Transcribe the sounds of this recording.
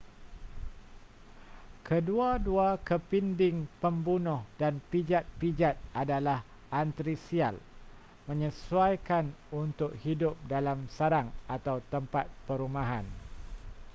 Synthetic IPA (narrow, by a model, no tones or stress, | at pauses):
kəduaduakəpindɪŋpəmbunʊhdanpid͡ʒat̪̚pid͡ʒat̪̚adalah | ʔant̪ɾisia̰l | mə̃ɲəsuajkan | unt̪ʊk̚hidʊp̚dalamsaɾaŋat̪awt̪əmpat̪̚pəɾumaɦan